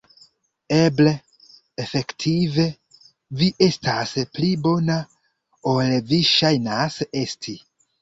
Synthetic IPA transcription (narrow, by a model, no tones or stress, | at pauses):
e̞ble̞ | efe̞ktʰive̞ | viʔe̞stasplibo̞na | olviʃajnase̞stʰi